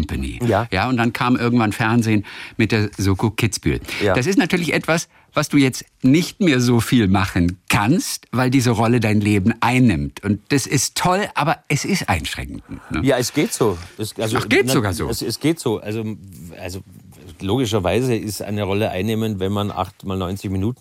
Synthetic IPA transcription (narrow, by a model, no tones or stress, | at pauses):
mpanḭːjajaːʊnt̚d̥ankʰaːmʔɪɐɡŋ̩tv̥anfɛɐnzeːnmɪt̚d̥eːɐzoːkokʰɪt͡sb̥y̰ːjdas̬ɪs̬tnatʰyːɐlɪçʔɛtv̥as | vasd̥uːjɛt͡st | nɪçtmeːɐzoːfiːlmaχənkʰanstv̥aɪldiːzəʁɔlədaɪnleːbm̩ʔaɪnːɪmtʰʊnt̚d̥asɪstʰːɔlʔaːbɐʔɛsɪstʔa̰ɪnʃʁ̥ɛ̰ŋk̚ŋ̩tnə̰jaːɛsɡ̥eːtz̥oːɛsʔalzoʔaɡ̥eːzzoɡaːɐzo̰ːsɛsɡ̥eːtz̥oːʔalzoʔalzo | loːɡɪʃ̬ɐvaɪzəɪstʔa̰ɪnəʁɔləʔa̰ɪnːeːməntvɛnmanʔa̰χtmaːlnɔʏnt͡sɪçminuːtn̩